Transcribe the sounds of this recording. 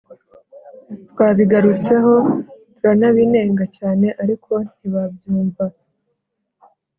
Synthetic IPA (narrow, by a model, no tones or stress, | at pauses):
twaːβiɡaɾut͡se̞ɦo̞tuɾanaβine̞ːŋɡacaːne̞ʔaɾikʰo̞n̥iβabjuːɱva